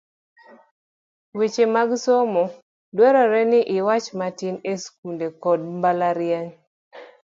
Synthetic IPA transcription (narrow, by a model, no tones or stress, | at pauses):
wit͡ʃemaɡsomo | dwɛɾɔɾɛnɪʔɪwat͡ʃmatinesk̚undekɔd̚mbalaɾjaɲ